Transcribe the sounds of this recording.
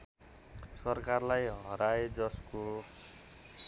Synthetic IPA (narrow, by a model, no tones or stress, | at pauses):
sʌrkarlajɦʌɾaed͡zʌsko